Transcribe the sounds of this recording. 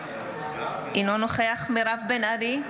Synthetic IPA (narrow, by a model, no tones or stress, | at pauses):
ʔinonoχeaχmiɾavbenaɾi